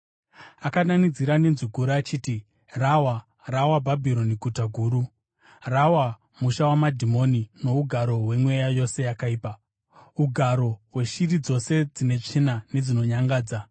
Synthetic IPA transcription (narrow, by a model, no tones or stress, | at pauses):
akananid͡ziɾanenziɡʱuɾaːt͡ʃiːti | rawa | rawabʱabʱiɾo̞niɡʱutaɡʱuːɾu | rawa | muʃawamadʱimo̞nino̞uɡʱaɾo̞ɦwe̞mwe̞jajo̞se̞jakaiːpa | uɡʱaɾo̞ɦwe̞ʃirid͡zo̞se̞d͡zine̞t͡ʂinane̞d͡zino̞ɲaŋɡaːd͡za